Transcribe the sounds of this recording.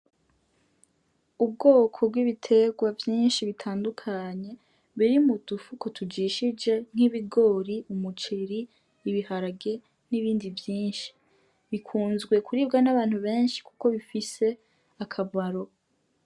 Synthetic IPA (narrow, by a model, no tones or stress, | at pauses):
ub̚ɡo̞ːkʰo̞bɡwiβitʰe̞ɡwavjiːnʃiβitʰaːndukʰaɲe̞ | βiɾimud̥ufukotʰud͡ʒiʃid͡ʒe̞ŋ̥iβiɡo̞ɾiumut͡ʃiɾiː | βihaɾaɡe | niβiːndivjiːnʃi̥ | βikʰuːnzɡwe̞kuɾiːb̚ɡanaβaːn̥huβe̞ːnʃi̥ku̥ko̞βifise̞ | akʰabwaɾo̞